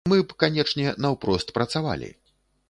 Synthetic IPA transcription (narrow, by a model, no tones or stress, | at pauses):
mɨpkanʲɛt͡ʂnʲɛnɐwpɾɔst̪pɾɐt̪sava̰lʲḭ